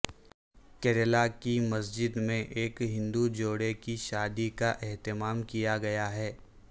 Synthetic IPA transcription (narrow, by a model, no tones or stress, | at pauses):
kɛɾelakimɐsd͡ʒɪd̪mẽʔeːkɦɪ̃nd̪ud͡ʒoːɽekiʃaːd̪ikaʔɛɦt̪ɪmaːmkijaɡɐjaɦɛː